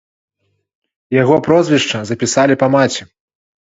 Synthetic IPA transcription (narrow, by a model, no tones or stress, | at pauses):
jaɣɔpɾɔzʲvʲiʂt͡ʂɐzɐpʲisalʲipɐmat͡sʲi